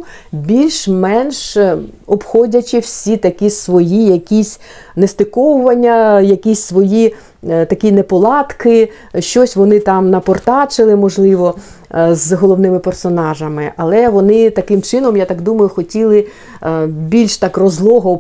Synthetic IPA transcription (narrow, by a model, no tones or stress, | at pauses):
bʲilʲʃmɛnʃɔbxɔdʲɐt͡ʃɪwsʲit̪ɐkʲisʋɔjijɐkʲisʲ | nest̪ɪkɔwʊʋɐnʲːɐjɐkʲisʲsʋɔji | t̪ɐkʲinɛpɔlˠɑt̪kɪ | ʃt͡ʃɔsʲʋɔnɪt̪ɑmnɐpɔrt̪ɑt͡ʃɪlˠɪmɔʒlˠɪʋɔ | zɦɔlˠɔwnɪmɪpersɔnɑʒɐmɪʔɐlˠɛʋɔnɪt̪ɐkɪmt͡ʃɪnɔmjat̪ɑɡd̪umɐjʊxɔtʲilˠɪ | bʲilʲʃt̪ɑkrɔzlˠɔɦɔ